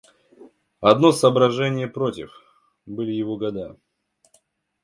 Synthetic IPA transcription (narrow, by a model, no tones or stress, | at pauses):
ɐd̪no̞səːbɾɐʐɛnʲɪjəpɾotʲɪ̰f | bɨlʲɪjɪvoɡɐd̪a